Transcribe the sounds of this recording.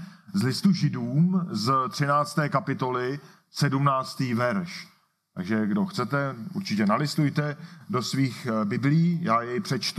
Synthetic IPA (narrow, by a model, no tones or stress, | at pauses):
zlɪst̪uʒɪduːmzt̪r̝̥ɪnaːt͡st̪ɛːkapɪt̪o̞lɪ | sɛdumnaːt͡st̪iːvɛɾʃ | t̪a̰ɡʒɛɡdo̞xt͡sɛt̪ɛṵɾt͡ʃɪcɛnalɪst̪ujt̪ɛdo̞sviːxbɪbliːjaːjɛjpr̝̥ɛt͡ʃt̪